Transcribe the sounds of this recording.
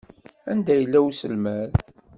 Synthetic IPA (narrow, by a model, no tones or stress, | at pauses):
ænd̪æjəlːæwsəlmæl